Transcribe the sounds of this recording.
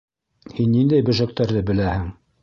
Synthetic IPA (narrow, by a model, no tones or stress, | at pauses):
hinːind̪æjbɵ̆ʒæ̆k̚t̪æɾðɘbɘ̆læhɘŋ